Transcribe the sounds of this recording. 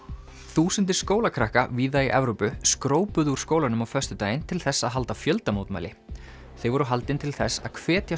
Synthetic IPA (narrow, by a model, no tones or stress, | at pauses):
θuːsʏnt̪̬ɪ̥skoːwlakʰɾahkaviːðaiʔɛvɾowpʏskɾoːwpʏðuɾ̥skoːwlanʏmawfœst̪ʏt̪aːjɪnt̪ʰɪlθɛsːaðɦalt̪afjœlt̪amoːwt̪ma̰jlɪ̰ | θejvɔɾʏɦalt̪ɪnt̪ʰɪlθɛsːa̰ðkʰvɛːt̪ja